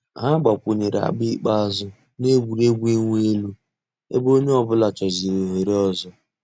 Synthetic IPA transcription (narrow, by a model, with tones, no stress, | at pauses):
ɦa˦ɡ͡ba˨kʷu˨ɲe˨ɾa̰˨ɡ͡bi˦k͡pa˦zʊ˦ | ne˦ɡʷu˨ɾe˦ɡʷi˦ŋʷ˦e˦lu˦ | ḛ˦bo˦ɲe˦ɔ˨bʊ˦la˨t͡ʃɔ˨zi˨ɾe˨ɦe˨ɾe˦ɔ˦zɔ˦